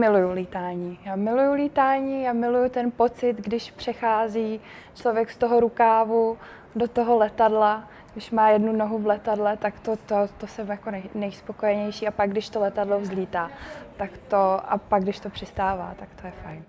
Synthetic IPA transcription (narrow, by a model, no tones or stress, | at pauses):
mɪlujuliːt̪aːɲiːjaːmɪlujuliːt̪aːɲiːamɪlujut̪ɛnpo̞t͡sɪt̪ɡdɪʃpr̝̥ɛxaːziː | t͡ʃlo̞vjɛkst̪o̞ɦo̞ɾukaːvu | do̞t̪o̞ɦo̞lɛt̪adla | ɡdɪʃmaːjɛdnuno̞ɦuvlɛt̪adlɛt̪akt̪ot̪ot̪osɛmjako̞nɛjnɛjspo̞ko̞jɛɲɛjʃiːapaɡ̚dɪʃt̪olɛt̪adlo̞vzliːt̪aːt̪akt̪o̞ʔapaɡdɪʃt̪o̞pr̥ɪst̪aːva̰ːt̪akt̪ojɛfajn